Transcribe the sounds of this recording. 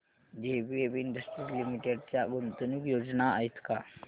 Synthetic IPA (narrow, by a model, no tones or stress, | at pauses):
d͡ʑebiepiɳɖəsʈɾilimiʈeɖt͡ɕjaɡont̪ənukjod͡znaa̰ɦit̪ka